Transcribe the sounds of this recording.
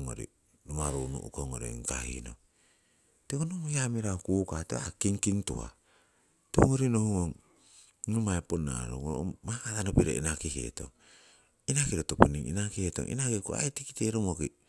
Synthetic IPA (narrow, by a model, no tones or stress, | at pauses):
ŋo̰ɾḭ | numaɾonṵʔukoŋo̰ɾḭŋka̰hḭno̰ | tekonomohiamiɾaokuːkatea̰kiŋkintṵa̰ | teuŋoɾinohuŋoŋ | numaepona̰ɾo̰ŋoɾomakatanopiɾḛʔḭnakihḛto̰ŋ | inakiɾotopuniŋḭnakiheto̰ŋʔḭnakikua̰itikiteɾomoki